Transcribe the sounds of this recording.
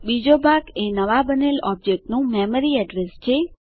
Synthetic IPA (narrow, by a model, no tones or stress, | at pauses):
bid͡ʒobʱaɡenəʋabənelɔb̚d͡ʒek̚ʈnũmɛməɾiɛɖɾest͡ʃʰe